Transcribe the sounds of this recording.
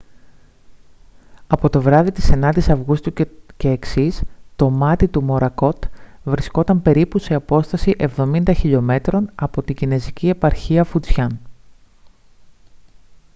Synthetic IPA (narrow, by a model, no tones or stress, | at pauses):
ɐpo̞t̪o̞vɾɐðit̪i̥senɐd̪isɐvɣust̪uce̞ːksist̪o̞mɐt̪it̪umo̞ɾɐko̞t̪vɾisko̞t̪ɐmpe̞ɾipuse̞ɐpo̞st̪ɐsiʔe̞vðo̞mind̪ɐçiʎo̞me̞t̪ɾo̞nɐpo̞t̪iɟine̞zicie̞pɐɾçiɐfut͡sçɐn